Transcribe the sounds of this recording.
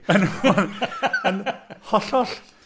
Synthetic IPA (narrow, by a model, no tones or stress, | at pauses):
ənhɔnənhɔɬɔɬ